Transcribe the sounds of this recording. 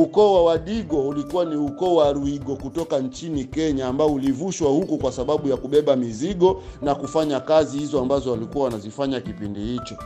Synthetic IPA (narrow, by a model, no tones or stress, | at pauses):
ukɔwawaɗiɠɔulikuwaniukɔwaɾuiɠɔkutɔkant͡ʃinikɛɲaːmbaɔulivuʃwahukukwasaɓaɓujakuɓɛɓamiziɠɔnakufaɲakazihizɔambazɔwalikuawanazifaɲakipindihit͡ʃɔ